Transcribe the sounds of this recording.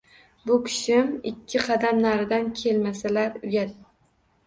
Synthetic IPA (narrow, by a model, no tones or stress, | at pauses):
bʊkʲʰɪ̥ʃɪmɪkʲʰːɪqʰɑd̪amnaɾɪd̪ankʲʰe̞lmasalaɾʊjad̪̚